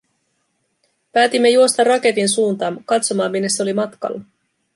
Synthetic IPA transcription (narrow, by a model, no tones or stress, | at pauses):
pæːt̪imːe̞juo̞st̪ɑrɑke̞t̪insuːnt̪ɑːmkɑt̪so̞mɑːmːinːesːeo̞limɑt̪kɑ̰lːɑ